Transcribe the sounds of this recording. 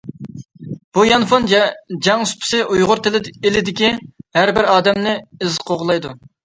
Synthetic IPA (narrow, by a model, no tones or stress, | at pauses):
b̥ujɑnfond͡ʒɑŋyspʰɪ̥sɪʔujʁʊɾt̪ʰɪlɪelɪd̪ɪkʲihæɾbɪɾɑːd̪ɛmnɪɪzqʰoʁlˠɑjd̪u